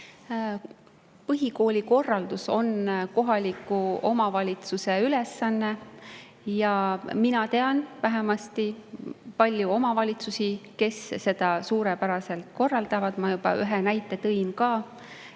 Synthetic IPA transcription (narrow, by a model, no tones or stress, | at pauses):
pɤɦiko̞ːlʲiko̞rːɑld̪̥uso̞nko̞ɦɑlʲikːˑuo̞mɑvɑlʲit̪suse̞yle̞sːɑnːe̞ | jɑminɑt̪e̞ɑnvæɦemɑst̪ipɑlʲjuo̞mɑvɑlʲit̪susike̞sːe̞d̪̥ɑsuːɾepæɾɑse̞lt̪ko̞rːɑld̪̥ɑvɑd̪̥mɑjubɑ̰ʔyɦenæjt̪ːˑe̞t̪ɤjnkɑː